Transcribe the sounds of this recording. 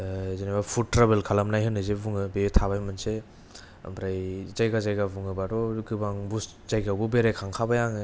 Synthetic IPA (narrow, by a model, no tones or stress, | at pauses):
zenabapʰutːɾabelkʰalamnajɦɯnɯzebuŋɯbetʰaβajmɯnse | a̰mbɾajzajɡazajɡabuŋɯbadɔɡɯbaŋbus | zajɡawbubeɾekʰaŋkʰabajaŋɯ